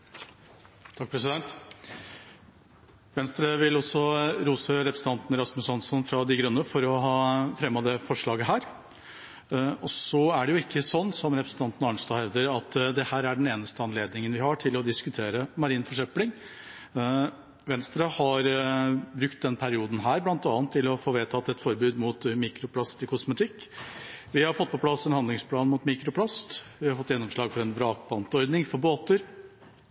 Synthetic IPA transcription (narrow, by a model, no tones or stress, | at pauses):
t̪ʰɑk̚pʰɾɛsɪd̪ɛnt̪ | ʋɛnst̪ɾəʋɪlɔsɔɾuːsəɾɛpɾəsn̩t̪ɑnt̪nəɾɑsmʉsɑnsɔnfɾɑd̪ɪɡɾʉnːəfɔɾɔɦɑːfɾɛmːɑd̪ɛfɔʂɭɑːɡəɦæːɾ | ɔsɔæɖɛjʊɪkʰːəsɔnːsɔmɾɛpɾəsn̩t̪ɑnt̪ənɑɳʂt̪ɑhɛvd̪əɾɑt̪ːd̪ɛhæːɾæɖɛneːnəst̪əɑnleːd̪nɪŋənʋɪhɑʈʰɪlɔd̪ɪskʉt̪ʰeːɾəmɑɾiːnfɔʂœplɪŋ | ʋɛnst̪ɾɑhɑɾbɾʉkt̪̚d̪ɛnpʰæɾɪuːd̪n̩ɦæːɾblɑnt̪ɑːnt̪ʰːɪlɔfoːʋeːt̪ʰɑt̪ːɛt̪fɔɾbʉːd̪mut̪miːkɾʊpʰlɑst̪ɪkʰʊsmət̪ʰɪkː | ʋɪhɑɾfɔt̪ːpʰɔpʰlɑsɛnhɑnd̪lɪŋspʰlɑːnmʊːt̪miːkɾʊpʰlɑst̪ʋɪhɑɾfɔt̪ːjɛnːɔmʂlɑːɡfɔɾɛnbɾɑːk̚bɑnt̪ɔɾd̪nɪŋfɔɾboːt̪əɾ